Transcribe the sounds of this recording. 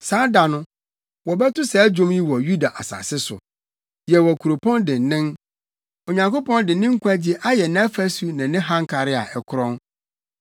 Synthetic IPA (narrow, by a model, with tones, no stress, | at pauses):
saː˨˦da˨nʊ̃˦ | wɔ˨bɛ˦tʊ˦sɛ˨˦d͡ʑᶣõ˦mji˦wɔ˨ju˦da˨ʔa˨sa̰ː˨sɪ˦sʊ̰˨ | jɛ˨wɔ˨kʰu˨ɾo˨pʰɔ̃˦ndɪ̃˨n˨nɪ̃˦n | o˨ɲã˨ŋko˦pɔ̃˦ndɪ˨nɪ̃˦ŋ̩˦kʰʷã˦d͡ʑi˦ʔa˦jɛ˨nɛ˦fɛ˦su˨nɪ̃˨nɪ̃˦ɦã˦ŋ˦kʰa˨ɾɪ˦a̰˨ʔɛ˨kʰʊ˦ɾɔ̃˦n